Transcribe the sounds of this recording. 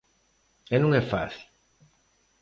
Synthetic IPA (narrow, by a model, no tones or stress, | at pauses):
ɛnɐ̃ŋ̃ɛfaθil